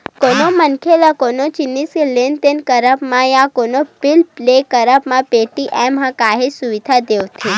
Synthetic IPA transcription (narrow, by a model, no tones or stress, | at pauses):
konomənkʰelakonot͡ʃinːiskelent̪enkəɾəpmãjãkonopilplekəɾəpmãpeʈiʔɛmɦãkaɦesuʋid̪ʱad̪eʋt̪ʰi